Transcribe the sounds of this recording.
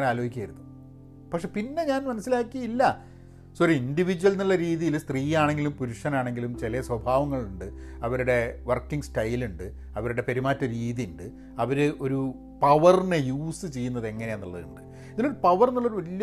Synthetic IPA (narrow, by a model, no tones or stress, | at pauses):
laːlo̞ːɦikʲːaːjiɾunːu | pɐkʂepinːe̞ɲaːnmɐnɐsːilaːkːiɐilːɐ | soɾiindiʋid͡ʑuʋɐlniɭːɐɾiːðijilst̪riːjaːɳe̞ŋɡilumpuɾuʂɐnaːɳe̞ŋɡilumt͡ɕelɐjɐswɐbʱaːʋɐŋːɐɭuɳɖɨɐʋɐɾuɽe̞ʋɐrkːiŋɡstɐjluɳɖɨ | ɐʋɐɾuɽe̞peɾimaːtːɐɾiːðijuɳɖɨ | ɐʋɐɾɨʔo̞ɾu | pɐʋɐrnejuːsɨt͡ɕe̞jːunːɐðe̞ŋːɐne̞janːɐɭːɐðuɳɖɨ | iðilo̞ɾupɐʋɐrenːɐɭːoɾuʋɐlijɐ